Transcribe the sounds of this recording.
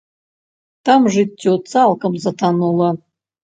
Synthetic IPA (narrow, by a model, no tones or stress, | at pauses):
t̪ʰamʐɨtʲːot͡saːlˠkəmzɐt̪ʰanulˠɐ